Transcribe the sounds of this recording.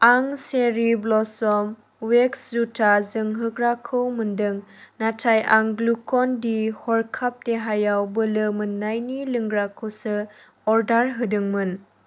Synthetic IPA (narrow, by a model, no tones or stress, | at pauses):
aŋseɾiblɔsɔm | wekszutʰazɯŋɦɯɡɾakʰɯwmɯndɯŋnatʰajaŋɡlukʰɔndihɔɾkʰap̚teɦajawbəlɯmɯnːajnilɯŋɡɾakʰɯwsɯ | ɔɾdaɾɦɯdɯŋmɯn